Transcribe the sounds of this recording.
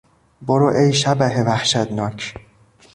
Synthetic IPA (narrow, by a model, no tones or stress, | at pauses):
boɾoʔejʃæbæɦevæhʃæd̪nɒːcʰ